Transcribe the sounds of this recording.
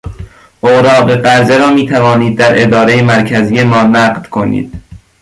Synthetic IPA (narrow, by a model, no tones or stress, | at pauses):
ʔoɾɒːɢe̞ɢæɾze̞ɾɒːmiːt̪ʰævɒːniːd̪̚ːæɾʔe̞d̪ɒːɾe̞jemæɾcʰæzijemɒːnæːɢd̪̥kʰo̞nḭːd̪̥̚